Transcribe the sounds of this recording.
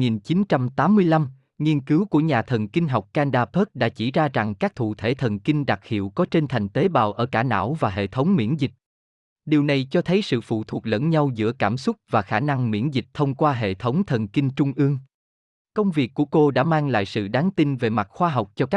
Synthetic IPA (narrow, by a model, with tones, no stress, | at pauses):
ŋi˨˩nt͡ɕi˨˦nt͡ɕa˧mt̪aː˨˦mːɨ˧əjla˧m | ŋi˧ənkɨ˨˦wku˧˩əɲaː˨˩t̪ʰə˨˩nkï˧ŋ̟ɦa˨˩wk͡p̚kaː˧nɗaː˧pəː˦˥k̚ɗa̰ː˧˥t͡ɕi˧˩zaː˧za˨˩ŋkaː˦˥k̚t̪ʰṵ˧˨t̪ʰe˧˩t̪ʰə˨˩nki˧ŋɗa˨˩k̚hḭ˧˨əwkɔ˨˦t͡ɕe˧nt̪ʰa˨˩jŋ̟t̪e˨˦ɓaː˨˩wʔəː˧˩kaː˧˩na̰ː˧˥wvaː˨˩ɦḛ˧˨t̪ʰə˨˦wŋ͡mmḭ˧˥ənzï˨˩k̟̚ | ɗi˨˩əwna˨˩jt͡ɕɔ˧t̪ʰə˨˦jsɨ̰˧˨fṵ˧˨t̪ʰu˨˩ək̚lə̰˧˥nɲa˧wzɨ̰˧˥əkaː˧˩msʊ˦˥t̚vaː˨˩xaː˧˩na˧ŋmḭ˧˥ənzï˨˩k̚t̪ʰə˧wŋ͡mkwaː˧ɦḛ˧˨t̪ʰə˨˦wŋ͡mt̪ʰə˨˩nkï˧ŋ̟t͡ɕʊ˧ŋ͡mʔɨ˧əŋ | kə˧wŋ͡mvi˨˩əkːu˧˩əko˧ɗa̰ː˧˥maː˧ŋla̰ː˧˨jsɨ̰˧˨ɗaː˨˦ŋt̪i˧nve˨˩ma˨˩t̚xwaː˧ɦa˨˩wk͡p̚t͡ɕɔ˧kaː˦˥